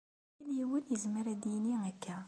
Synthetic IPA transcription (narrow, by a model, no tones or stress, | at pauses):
iljiwənjəzməɾæd̪jniækʰːæ